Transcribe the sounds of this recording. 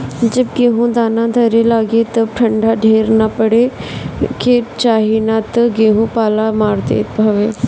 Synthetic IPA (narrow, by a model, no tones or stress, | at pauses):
d͡ʒɐb̚ɡeːɦũd̪aːnãd̪ʱɐɾelaːɡet̪ɐb̚ʈʰɐ̃ɳɖʱaɖʱeːɾnapəɽe | ket͡ʃaːɦinat̪ɡeːɦũpaːlamaːɾt̪ḛːt̪bʱɐʋeː